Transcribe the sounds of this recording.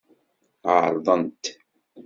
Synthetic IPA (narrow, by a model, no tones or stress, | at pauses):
ʕəɾˤðˤənt̪